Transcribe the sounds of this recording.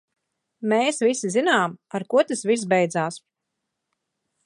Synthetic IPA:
meːsvisizinaːmaɾkuɔt̪asvis̬bɛjd̪zaːs

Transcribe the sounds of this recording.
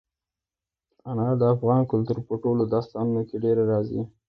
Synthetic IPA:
anɑd̪əafɣɑnkʊlt̪uɾpəʈolod̪ɑst̪ɑnunokeɖeɾaɾɑzḭ

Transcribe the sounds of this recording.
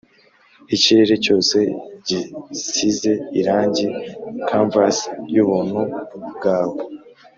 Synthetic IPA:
iciɾeɾe̞co̞ːse̞ɟisize̞iɾaːɲɟikʰaɱvasjuːβunubɡaːwo

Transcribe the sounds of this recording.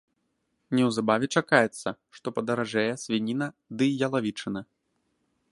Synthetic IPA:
nʲɛwzabavʲɛt͡ʂakajɛt̪sːɐʂt̪ɔpɐd̪ɐɾaʐɛjɛsʲvʲinʲinɐd̪ɨjɐlˠavʲit͡ʂɨnɐ

